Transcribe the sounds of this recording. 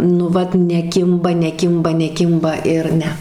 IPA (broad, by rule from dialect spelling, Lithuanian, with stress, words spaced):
nʊ ˈʋɐt nʲɛˈkʲɪmbɐ nʲɛˈkʲɪmbɐ nʲɛˈkʲɪmbɐ ɪr ˈnʲɛ